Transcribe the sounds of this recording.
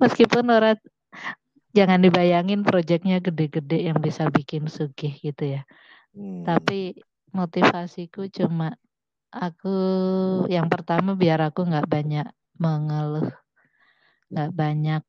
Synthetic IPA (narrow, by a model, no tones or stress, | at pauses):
məskipʊnoɾa | d͡ʒaŋandibajaŋɪnpɾod͡ʒɛk̚ɲaɡədɛɡədɛʔjaŋbisabikɪnsuɡɪhɡit̪uja | t̪api | mot̪ifasikut͡ʃuma | aku | jaŋpərt̪amabiaɾakuŋɡaʔbaɲaʔ | məŋəlʊhh | ŋɡaʔbaɲak̚